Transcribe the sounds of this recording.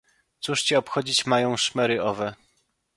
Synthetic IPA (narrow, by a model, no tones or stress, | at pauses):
t̪suʂt͡ɕɛɔpxɔd͡ʑit͡ɕmajɔ̃w̃ʂmɛɾɘʔɔvɛ